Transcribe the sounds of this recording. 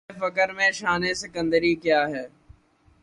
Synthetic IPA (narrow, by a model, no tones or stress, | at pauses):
fɐkəɾmẽʃaːnesɪkə̃nd̪əɾikjaːɦɛː